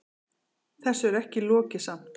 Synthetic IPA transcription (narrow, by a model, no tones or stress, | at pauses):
θɛsːʏɛɾɛhcɪlɔːcɪsam̥t̪